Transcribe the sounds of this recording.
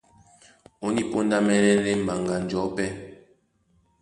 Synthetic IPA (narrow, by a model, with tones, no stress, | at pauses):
o˦ni˦po˦nda˦mɛ˦ɾɛ˦ɾe˦m̩˨ba˨ŋɡa˨n̩˨d͡ʒɔ˨˦pɛ˦